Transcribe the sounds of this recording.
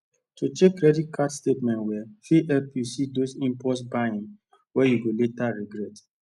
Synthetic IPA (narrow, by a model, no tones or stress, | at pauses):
tut͡ʃekːɾɛdit̚kʰadstetmɛ̃ntwɛfiʔɛpusidosĩmpɔtsbaĩŋ | wɛjuɡoletaɹiɡɾɛt